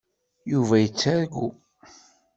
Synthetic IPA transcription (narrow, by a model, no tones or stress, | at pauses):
juvæjət͡sːaɾɡu